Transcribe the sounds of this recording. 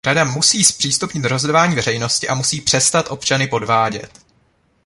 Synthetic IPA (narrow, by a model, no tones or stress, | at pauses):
ɾadamusiːspr̥iːst̪upɲɪt̪ɾozdovaːɲiːvɛrɛjno̞scɪʔamusiːpr̝̥ɛst̪at̪ʔo̞pt͡ʃanɪpo̞dvaːɟɛ̰t̪